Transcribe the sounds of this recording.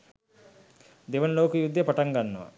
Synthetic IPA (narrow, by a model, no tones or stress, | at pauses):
d̪eʋənloːkujud̪ːjəpaʈaŋɡanːəʋa̰